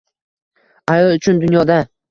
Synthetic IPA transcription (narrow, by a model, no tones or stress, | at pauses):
ajɒlˠʊt͡ʃʰʊnd̪ʊnjɒd̪a